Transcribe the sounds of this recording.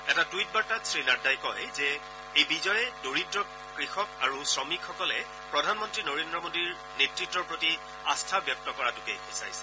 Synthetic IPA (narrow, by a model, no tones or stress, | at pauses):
ɛtatujt̚baɹtatsɹinaɹdajkɔjzɛ | ejbizɔjɛdoɹitɹɔ | kɹixɔkaɹusɹɔmikxɔkɔlɛ | pɹɔdʱanmɔntɹinoɹendɹɔmodiɹ | netɹitːɔɹpɹoti | astʰabjɔp̚tɔkɔɹatʊkḛɡojsa̰jsɛ̥